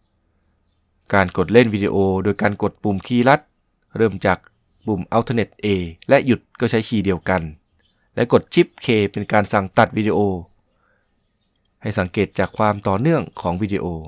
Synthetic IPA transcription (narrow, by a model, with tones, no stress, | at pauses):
kaː˧nko˨˩t̪̚le˦˥˩nwiː˧dḭ˧ʔoː˧doː˧jkaː˧nko˨˩t̪̚pu˨˩mkʰiː˧˩la˦˥t̪̚ | ɾɤː˧˩mt͡ɕaː˨˩k̚ | bu˨˩mʔa˧wt̪ʰːne˨˧˩t̪̚ʔeː˧lɛ˦˥ʔju˨˩t̪̚kɔː˥˩t͡ɕʰa˦˥jkʰiː˧˩di˧əwka˧n | lɛ˦˥ko˨˩t̪̚t͡ɕʰi˦˥p̚kʰeː˧pe˧nkaː˧nsa˨˩ŋt̪a˨˩t̪̚wiː˧di˧ʔoː˧ | ha˨˩jsa˩˦ŋkeː˨˩t̪̚t͡ɕaː˨˩kʰwaː˧mt̪ɔː˨˩nɯ˥˩əŋkʰɔː˩˦ŋwiː˧dḭː˧ʔoː˧